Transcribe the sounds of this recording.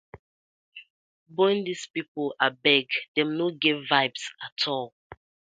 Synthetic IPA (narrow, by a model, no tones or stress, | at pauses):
bɔ̃ndispipəlabɛɡdɛ̃mnoɡɛvvaɪbsatʰɔlˠ